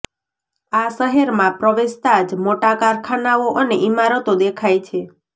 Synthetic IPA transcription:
aʃəɦeɾmãpɾəʋest̪ad͡ʒmoʈakaɾkʰanaoʔəneʔimaɾət̪od̪ekʰajt͡ʃʰe

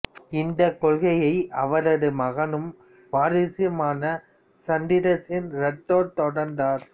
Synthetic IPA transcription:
ɪnd̪ɐkːɔɭɣɐjɐɪʔɐʋɐɾɐðɯmɐɣɐnɯm | ʋaːɾɪsɪjɐmaːnɐ | sɐnd̪ɪðɐtːɪnɾɐʈːoːɾt̪ɔɽɐɾnd̪aːɾ

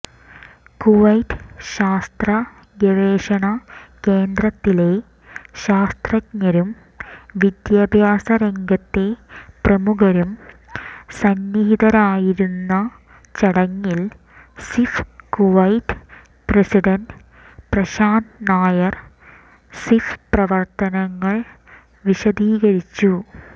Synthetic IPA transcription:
kuʋɐjʈɕaːst̪rɐ | ɡeɻeːʂɐɳɐkeːnd̪rɐt̪ːile̞ | ɕaːst̪rɐkɲɐɾum | ʋid̪jaːbʱjaːsɐɾeŋɡɐt̪ːe̞prɐmuɣɐɾum | sɐnːiɦiðɐɾaːjiɾunːɐ | t͡ɕɐɽɐŋːil | sifkoʋɐjʈ | prɐsiɖɐnɖ | prɐɕaːnnaːjɐr | sifprɐʋɐrt̪ɐnɐŋːɐɭ | ʋiɕɐd̪iːɣɐɾit͡ɕːu

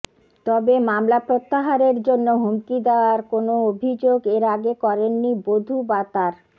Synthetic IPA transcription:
t̪ɔbemamlapɾot̪ːaɦaɾeɾd͡ʑonːoɦumkid̪eoaɾkonoobʱid͡ʑoɡeɾaɡekɔɾenːibod̪ʱubat̪aɾ

